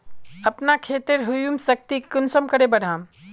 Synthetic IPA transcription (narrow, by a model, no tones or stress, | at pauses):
əpnakʰeːt̪eɾɦujumsək̚t̪ikʊnsəmkəɾebəɽ̤ãːm